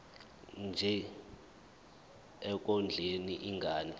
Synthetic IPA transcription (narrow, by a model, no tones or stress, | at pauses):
nd͡ʒʱɛ | ɛk̬ʼɔnd͡ɮʱeniʔiŋɡʱaːni